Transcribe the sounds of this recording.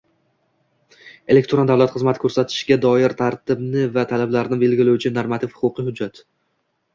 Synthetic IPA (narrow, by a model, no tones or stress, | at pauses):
e̞lekʲt̪ɾond̪avlˠat̪χɨzmat̪ʰɪkʰɵɾsat̪ʰɪ̥ʃɡʲad̪ɒjɪɾt̪ʰaɾt̪ʰɪbnɪvat̪ʰalablaɾnɪbe̞lɡʲɪlɪwt͡ʃʰɪnoɾmat̪ʰɪfhʊ̥qʊqɨhʊd͡ʒːat̪